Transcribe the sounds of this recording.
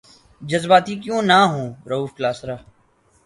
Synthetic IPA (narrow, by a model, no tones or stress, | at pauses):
d͡ʒəzbaːt̪iːkjõːnaːɦõːɾəuːfklaːsɾaː